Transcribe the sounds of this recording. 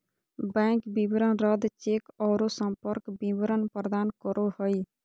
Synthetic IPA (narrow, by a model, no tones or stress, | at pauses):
bɛ̃ːŋkbibɾənɾəd̪t͡ʃeːkɔːɾosə̃mpəɾkbiʋəɾənpɾəd̪aːnkəɾohoiː